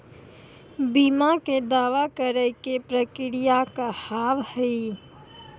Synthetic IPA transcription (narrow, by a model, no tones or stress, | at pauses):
biːmaked̪aːʋakəɾəkepɾəkɪɾijakahaːʋhɛi